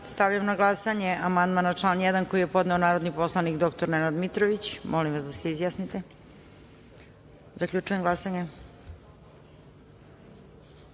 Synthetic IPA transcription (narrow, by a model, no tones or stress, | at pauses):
st̪aʋʎamnaɡlˠasaɲe̞ʔamand̪maːnat͡ʂlˠaːnjɛd̪anko̞jijepo̞d̪neonaːɾod̪nipo̞slˠanikd̪o̞kt̪o̞ɾnenad̪mit̪ɾoʋit͡ɕmʔolimʋasd̪aseizjasnit̪e̞ | zakʎʲut͡ʂujemɡlˠasaɲe